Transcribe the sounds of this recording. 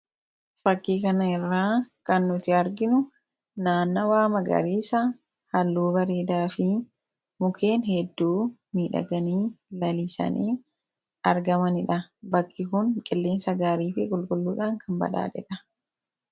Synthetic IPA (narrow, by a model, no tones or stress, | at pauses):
fɐkːiːkɐnɐɪrːaːkɐnːʊt̪ɪɐɾɡɪnʊ | naːnːɐwaːmɐɡɐ̰ɾiːsɐ | hɐlːuːbɐɾeːd̪aːfɪ | mʊkʰe̞ːnɦɛd̪ːuːmiːᶑɐ̰ɡɐniːlɐlisɐ̰nʔiː | ɐɾɡɐmɐnɪᶑɐbɐkːɪkʊŋkʼɪlːiːnsɐɡaːɾiːfɪkʼʊlkʼʊlːuːᶑaːŋkʰɐmbɐ̰ᶑa̰ːᶑ̪ɛᶑɐ